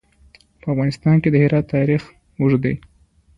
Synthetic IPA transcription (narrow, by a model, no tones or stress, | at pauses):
pəafɣɑnɪst̪ɑnked̪əhɪɾɑt̪ːɑɾix | wuʐd̪ḛj